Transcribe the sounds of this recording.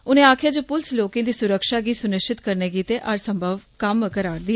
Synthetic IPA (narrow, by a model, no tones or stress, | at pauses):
ʊnẽːaːkʰjaːd͡ʒoːpʊlɪsloːkẽːd̪iːsʊɾəkʃaːɡiːsʊnɪʃt͡ʃʰɪt̪kəɾneːɡiːt̪eːʔəɾsəmbʱəʋkəmkəɾaːɾd̪i